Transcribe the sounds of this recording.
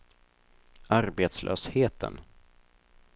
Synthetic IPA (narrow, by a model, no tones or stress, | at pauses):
aɾbeːt̪slʔœ̰ːsheːt̪ʰə̰n